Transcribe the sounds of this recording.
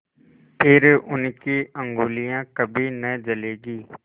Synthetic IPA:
pɪɾʔʊnkiɐ̃ŋɡuːlijãkɐbʱinɐd͡ʒɐleːɡiː

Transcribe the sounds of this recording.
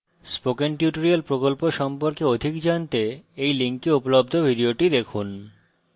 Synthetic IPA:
spokenʈjuʈoɾialpɾokolpoʃɔmpoɾkeod̪ʱikd͡ʑant̪eejliŋkiupolob̚d̪ʱobʱiɖioʈid̪ekʰun

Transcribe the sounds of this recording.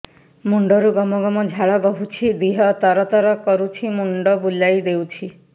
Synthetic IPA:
muɳɖɔɾuɡɔmɔɡɔmɔd͡ʒʱaɭabɔɦut͡ʃʰid̪iɦɔt̪ɔɾɔt̪ɔɾɔkɔɾut͡ʃʰimuɳɖɔbulajd̪ewt͡ʃʰi

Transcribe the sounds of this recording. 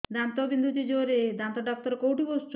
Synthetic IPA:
d̪ant̪ɔbind̪ʱut̪id͡ʒoɾed̪ant̪ɔɖɔk̚t̪ɔɾɔkowʈibosʈ

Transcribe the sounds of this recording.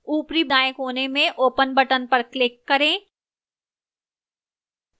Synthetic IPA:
uːpɾibd̪aːjəkɦoːnemẽʔoːpənbɐʈənpɐɾklɪkːɐɾẽː

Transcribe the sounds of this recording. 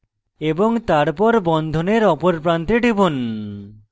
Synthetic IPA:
eboŋt̪aɾpɔɾbɔnd̪ʱoneɾɔpoɾpɾant̪eɖibon

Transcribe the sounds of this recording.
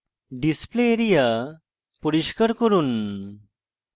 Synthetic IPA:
ɖispleːɾija | puɾiɕkəɾkəɾuːn

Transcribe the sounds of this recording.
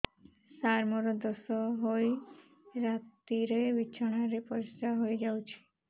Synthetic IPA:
saɾmɔɾɔd̪ɔsɔɦoj | ɾat̪iɾeʋit͡ʃʰaɽ̃aɾepɔɾist̪aɦojd͡ʒawt͡ʃʰi̥

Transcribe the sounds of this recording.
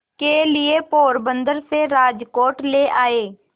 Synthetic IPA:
kelɪepoːɾbə̃nd̪əɾseɾaːd͡ʒkoːʈleːʔaːeː

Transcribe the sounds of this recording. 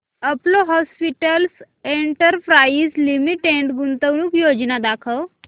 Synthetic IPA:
əploɦɔspiʈəls | eɳʈəɾpɾaislimiʈeɳʈɡunt̪əʋñuːkjod͡ʑnad̪akʰəʋ

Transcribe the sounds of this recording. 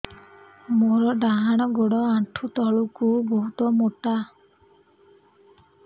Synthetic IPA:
moɾɔɖaɦaɽ̃ɔɡoɽɔaʈʰut̪ɔɭukuboɦut̪ɔmoʈa

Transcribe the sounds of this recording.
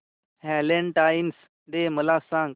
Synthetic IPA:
hɛleɳʈains | d̪eməlasãŋɡ̚

